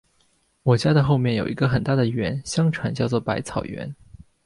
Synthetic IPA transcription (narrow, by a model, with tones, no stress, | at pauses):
wɔ˨˩t͡ɕja˥d̪ə˨xo˥˧ʊmjɛ˥˩njo˨˩ʊi˧˥ɡə˧xə˨˩nt̪a˥˩d̪ə˩ɥɛ˧˥nɕjɑ˥ŋʈ͡ʂʰwa˧˥nt͡ɕjɑ˥˧ʊt͡swɔ˥˩pa˧˥ɪt͡sʰɑ˨˩ʊɥɛ̰˧˥n